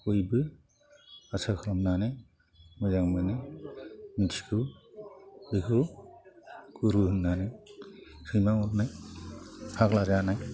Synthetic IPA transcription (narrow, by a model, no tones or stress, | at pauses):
kujbɯ | asakʰɯɾamnanaj | mɯzaŋmɯnɯ | misʰi̥kʰɯ | ɯkʰɯ | kuɾuhɯnːanɯj | sɯjmaŋɔt̚naj | pʰaklad͡ʒanaj